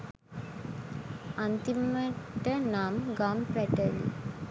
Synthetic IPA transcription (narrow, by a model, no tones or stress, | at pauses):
ant̪imːəʈənamɡampæʈəlḭ